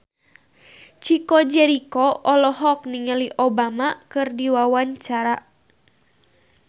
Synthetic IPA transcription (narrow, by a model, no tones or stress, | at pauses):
t͡ʃikɔd͡ʒɛɾikɔʔɔlɔɦɔk̚niŋəliʔobamakɨrdiwawaɲt͡ʃaɾa